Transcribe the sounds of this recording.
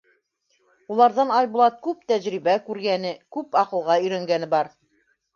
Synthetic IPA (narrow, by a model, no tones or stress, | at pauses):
ulˠɑɾðɑnɑjbulˠɑt̪̚kʉp̚t̪æʑɾiβækʉɾɡænɘkʉpɑqɤ̆lˠʁɑɵ̆jɾæŋɡænɘbɑɾ